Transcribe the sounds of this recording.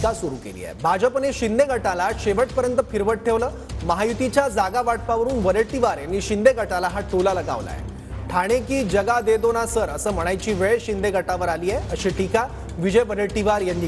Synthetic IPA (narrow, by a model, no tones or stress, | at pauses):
asuɾṵkḛlḭjḛbʱad͡ʑəpəneɕind̪eɡʱəʈalaɕeʋəʈ̚pəɾjənt̪əfiɾʋəʈ̚ʈʰːeʋləː | məɦajut̪it͡ɕjad͡zaɡaʋaʈ̚paʋəɾuːnʋəɾəɭʈiʋaɾjanːiːɕind̪eɡʱəʈalaɦaʈʰulaləɡa̰ʋla̰jɛ̰ | ʈʰaɽ̃ekiːd͡ʑəɡad̪ed̪onasəɾəsəːm̤əɽ̃ajt͡ɕiːʋeɭɕind̪eɡʱəʈaʋəɾaliːjeəɕiːʈʰika | ʋid͡ʑəjbəɾəɭʈiʋaɾjanːi